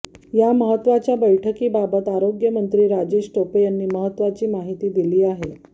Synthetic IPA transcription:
jaməɦət̪ːʋat͡ɕjabəjʈʰəkiːbabət̪aɾoɡjəmənt̪ɾiːɾad͡ʑeɕʈopəjanːiːməɦət̪ːʋat͡ɕiːmaɦit̪iːd̪iliːaɦe

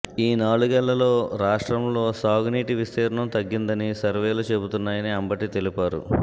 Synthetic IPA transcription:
iːnaːɭuɡɛlːɐlo̞ːɾaːʂʈɾɐmlo̞ːsaːɡuniːʈiʋist̪ɛːɾɐɳɐmt̪ɐɡːind̪ɐnisɐɾʋeːlut͡ʃe̞but̪unːaːjɐniɐmbɐʈit̪e̞lipaːɾṵ

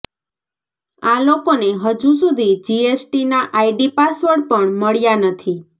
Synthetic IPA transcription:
alokoneɦəd͡ʒus̬ud̪ʱid͡ʒiesʈinaʔajɖipasʋəɾɽpəɳməɭjanət̪ʰi

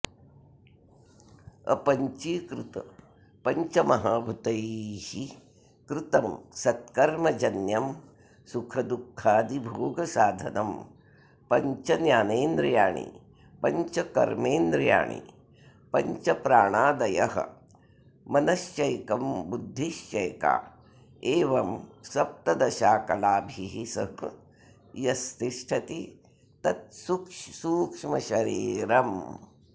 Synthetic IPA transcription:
ɐ̰pɐɲt͡ʃikɾut̪ɐ | pɐɲt͡ʃɐmɐɦaːbʱut̪ɐjihi | kɾɪt̪ɐmsɐt̪kɐɾmɐd͡ʒɐnjɐm | sukʰɐd̪ukʰːaːd̪ibʱoːɡɐsaːd̪ʱɐnɐm | pɐɲt͡ʃɐnjaːneːnd̪ɾɐjaːɳḭ | pɐɲt͡ʃɐkɐ̰ɾmeːnd̪ɾɐja̰ːɳḭ | pɐɲt͡ʃɐpɾaːɳaːd̪ɐjɐ̰ɦɐ̰̆ | mɐnɐsjɐjkɐmbud̪ʱːiʃt͡ʃɐjka̰ː | eːʋɐmsɐp̚t̪ɐd̪ɐʃaːkɐlaːbʱiɦisɐ̰ɦ | jɐst̪iʂʈʰɐt̪i | t̪ɐt̪̚sukʂsuːkʂmɐʃɐɾiːɾɐm

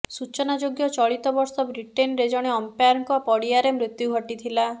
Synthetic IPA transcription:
sut͡ʃɔnad͡ʒoɡjɔt͡ʃɔɭit̪ɔbɔɾsɔbɾiʈenɾed͡ʒɔɽ̃eɔmpjaɾŋkɔpɔɽiaɾemɾut̪juɦɔʈit̪ʰila

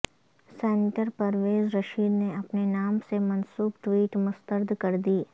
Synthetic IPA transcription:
seːnɪʈəɾpɐɾʋeːzɾɐʃiːd̪neɐpnenaːmsemɐnsuːbʈ̪wiːʈmʊst̪əɾd̪ʱkɐɾd̪iː

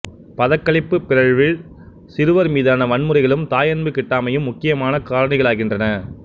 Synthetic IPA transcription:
pɐðɐkːɐɭɪpːɯpːɪɾɐɻʋɪɭ | sɪɾɯʋɐɾmiːðaːnɐʋɐɳmɯrɐɪɣɐɭɯmt̪aːjɐnbɯkɪʈːaːmɐjɯmːʊkːɪjɐmaːnɐkaːɻɐnɪɣɐɭaːɣɪndrɐnɐ

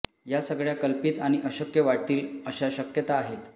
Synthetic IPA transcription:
jasəɡɭjakəlpiːt̪aɽ̃iʔəɕəkjəʋaʈ̚t̪iːləɕaɕəkjət̪aːɦet̪

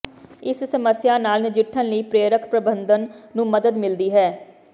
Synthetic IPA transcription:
ɪssəməsjaːnaːlnɪd͡ʒɪʈʰːənləiːpɾeːɾəkʰpɾəbə̃nd̪ənːũːməd̪əd̪mɪld̪iːɦɛː

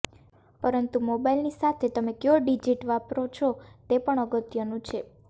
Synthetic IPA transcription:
pəɾənt̪umobailnisat̪ʰet̪əmekjoɖid͡ʒiʈʋapɾot͡ʃʰot̪epəɳəɡət̪jənũt͡ʃʰe

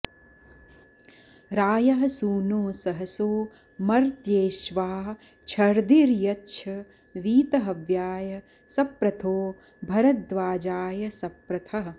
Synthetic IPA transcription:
ɾaːjɐɦɐsuːnoːsɐɦɐsoː | mɐɾt̪jeːʃʋaː | t͡ʃʰɐɾd̪iɾjɐtːʃʰɐ | ʋiːt̪ɐɦɐʋjaːjɐ | sɐpɾɐt̪ʰoː | bʱɐɾɐd̪ʋaːd͡ʒaːjɐsɐpɾɐt̪ʰɐɦɐ

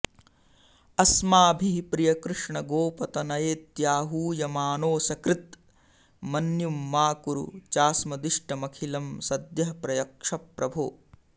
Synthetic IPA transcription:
ɐsmaːbʱiɦipɾijɐkɾɨʂɳɐɡoːpɐt̪ɐnɐjeːt̪jaːɦuːjɐmaːnoːsɐkɾit̪ | mɐnjumːaːkuɾṵt͡ʃaːsmɐd̪iʂʈɐmɐkʰilɐmsɐd̪jɐɦɐpɾɐjɐkʂɐpɾɐbʱo̰ː

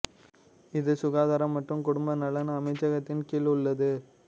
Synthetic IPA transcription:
ɪðɯsʊɣaːðaːɾɐmːɐʈrɯmkʊɽʊmbɐnɐlɐnɐmɐɪt͡ʃːɐɣɐt̪ːɪnkiːɭɯɭːɐðɯ

